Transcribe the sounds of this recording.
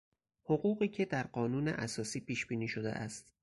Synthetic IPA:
hoɢuːɣiːcʰe̞d̪æɾɢɒːnuːnḛʔæsɒːsiːpʰiːʃbiːniːʃo̞d̪ḛʔæ̰st̪

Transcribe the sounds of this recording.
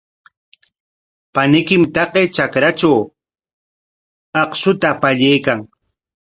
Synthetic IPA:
panɪkɪmt̪ɑqet͡ʃakɾat͡ʃaw | ɑqʃʊt̪apaʎajkaŋ

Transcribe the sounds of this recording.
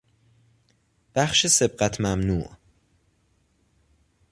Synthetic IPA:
b̥æxʃese̞b̚ɢæt̪ʰmæmnṵːʔ

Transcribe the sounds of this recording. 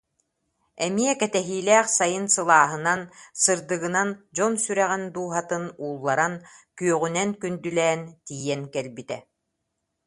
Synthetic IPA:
ɛmiɛkɛt̪ɛɦiːlɛːχsajɯnsɯlˠaːɦɯnansɯɾd̪ɯɣɯnand͡ʑɔnsyɾɛʁɛnd̪uːɦat̪ɯnuːlˠːaɾankyœʁynɛnkynd̪ylɛːnt̪iːjɛnkɛlbit̪ɛ

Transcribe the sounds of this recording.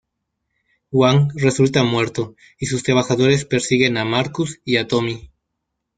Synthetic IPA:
xwaŋre̞sult̪amwe̞ɾt̪o̞ | isust̪ɾaβaxaðo̞ɾe̞spe̞ɾsiɣe̞namaɾkusiat̪o̞mi

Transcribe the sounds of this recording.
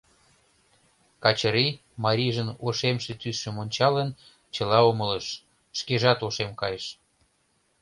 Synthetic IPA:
kɑt͡ɕəɾi | mɑɾiʒənoʃemʃet̪ysʃəmonʲt͡ɕɑlən | t͡ɕəlɑomələʃ | ʃkeʒɑt̪oʃemkɑjəʃ

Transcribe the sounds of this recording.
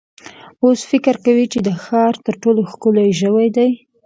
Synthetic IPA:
osfɪkəɾkawit͡ʃed̪əxɑɾt̪əɾʈoloxkʊlojʒəwajd̪aj

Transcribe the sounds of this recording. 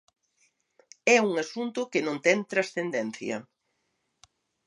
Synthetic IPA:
ɛuŋasunt̪ʊkɪnõnt̪ɛŋt̪ɾasθend̪ɛnθjɐ̰

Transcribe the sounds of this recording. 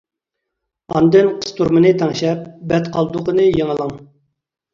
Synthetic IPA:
ɑnd̪ɨnqʰə̥st̪ʰuɾmɨnɨt̪ʰɛŋʃɛp̚bɛt̪qʰɑlˠd̪ʊqənɨjeŋəlˠəŋ

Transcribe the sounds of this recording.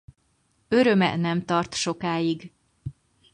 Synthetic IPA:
ø̞ɾø̞mɛ̰nɛmt̪ɒrt̪ʃo̞kaːjiɡ

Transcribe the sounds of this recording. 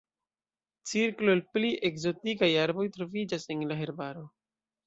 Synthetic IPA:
t͡siɾklolpliʔe̞kzo̞tikajaɾbo̞jtɾo̞vid͡ʒase̞nlaɦe̞ɾbaɾo̞

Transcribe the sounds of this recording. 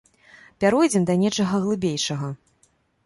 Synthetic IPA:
pʲaɾujd͡zʲɛmd̪ɐnʲɛt͡ʂɐɣɐɣlˠɨbʲejʂɐɣɐ

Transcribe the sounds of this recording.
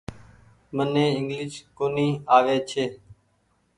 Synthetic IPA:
mənẽːɪŋɡlɪʃkoːniːaːʋeːt͡ʃʰeː

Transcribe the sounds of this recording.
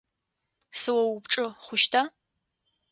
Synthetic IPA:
sɨwɐwʊpʈ͡ʂʼɨχʷʊʃtʰa

